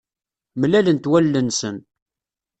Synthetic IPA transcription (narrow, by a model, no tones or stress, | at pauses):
mlælənt̪wælːənsən